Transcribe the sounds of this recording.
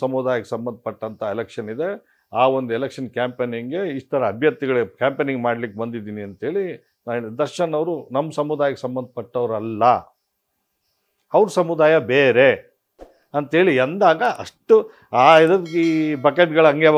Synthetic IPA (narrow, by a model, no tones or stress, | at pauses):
sɐmud̪aːjɐkesɐmbɐnd̪̚ʱɐpɐʈːɐnt̪ʰɐelekʂɐnid̪e̞ | aːo̞nd̪uelekʂɐnkaːmpeːniŋɡe̞iʂt̪ʰɐɾɐɐbʱjɐɾ̚t̪iɡɐɭkaːmpeːniŋɡmaːɖlikːebɐnd̪id̪iːniɐnt̪ɦe̞ːɭi | d̪ɐɾʂɐnɐʋɾunɐmːɐsɐmud̪aːjɐkesɐmbɐnd̪ɐpɐʈːɐʋɾɐlːɐ | ɐʋɾusɐmud̪aːjɐbeːɾe̞ | ɐnt̪ɦeːɭiɐnd̪aːɡɐʔɐʂʈu | aːid̪ɐibɐkeʈɡɐɭɐŋɡɐ